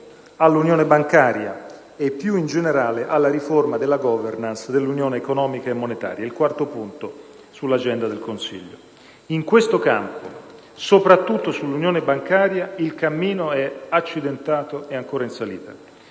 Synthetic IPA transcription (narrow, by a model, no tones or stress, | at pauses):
alːunjoːnebaŋkaːɾja̰ | epːjuind͡ʒeneɾaːleʔalːaɾiformad̪elːaɡɔvernansd̪elːunjoːneːkonɔːmikaemːonet̪a̰ːɾjailkwart̪opunt̪o | sulːad͡ʒɛnd̪ad̪elkonsḭʎːo̰ | iŋkwest̪okampo̰ | sopɾat̪ːut̪ːosulːunjoːnebaŋkaːɾjailkamːiːnoɛat͡ʃːid̪ent̪aːt̪oeaŋkoːɾainsalḭːt̪a̰